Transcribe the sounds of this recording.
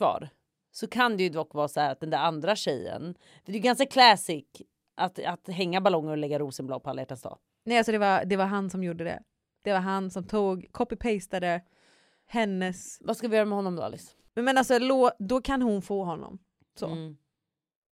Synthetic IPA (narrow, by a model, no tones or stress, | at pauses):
kvɑ̰ːɾ | sɔkʰand̪ɛjɵd̪ɔkːvɑːsɔhæːɾat̪̚d̪ɛnd̪æːɾand̪ɾaɕɛjːə̰n | fəɾd̪ɛjʏɡanskakʰlɛːsɪk | ʔat̪at̪ɦɛŋːabalɔŋːəɾɔlɛɡːaɾuːsənb̪lɑ̰ːpʰɔalːajɛʈːanst̪ɑ̰ː | nɛalsɔd̪ɛvaɾd̪ɛvaɾɦansɔmjuːɖːəd̪ɛ̰ | d̪̥ɛvaɾɦansɔmt̪ʰuːɡkʰɔpːɪpʰɛjst̪ad̪ə | hɛnːəsvaskalvɪjœːɾamɛhɔnːɔmd̪ɔ̰a̰lɪ̰s | mmɛnalsɔloːd̪ɔkʰanhʊnfoːɦɔnːɔ̰m | sɔ̰